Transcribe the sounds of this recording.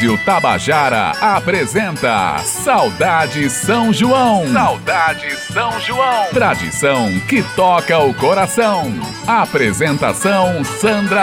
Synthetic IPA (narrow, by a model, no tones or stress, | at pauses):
iʊt̪aba̰ʒaɾɐ̰apɾezẽnt̪ɐ̰sawd̪ad͡ʒɪsɐ̃w̃ʒuɐ̃w̃sawd̪ad͡ʒɪsɐ̃w̃ʒuɐ̃w̃t̪ɾad͡ʒḭsɐ̃w̃kɪt̪ɔkɐʊkoɾasɐ̃w̃ | apɾezẽnt̪a̰sɐ̃w̃sɐ̃nd̪ɾɐ